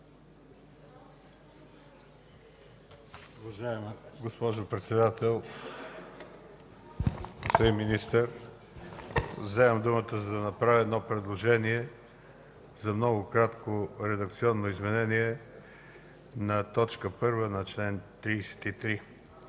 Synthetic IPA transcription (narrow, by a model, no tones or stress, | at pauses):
ovɐʒaɛmɡospɔʒopɾɛt̪sɛd̪at̪ɛlˠ | soimːinist̪əɾ | vzɛvəmd̪umət̪əzɐd̪ɐnɐpɾavʲəɛːd̪nɔpɾɛd̪lˠoʒɛniɛ | zɐmnɔɡʊkɾat̪koɾɛd̪ɐk̚t̪siɔnːoizmɛnɛniɛ | nɐt̪ɔt͡ʃkəpɤɾvənɐt͡ʃlɛnt̪ɾiːsɛ̥t̪it̪ɾi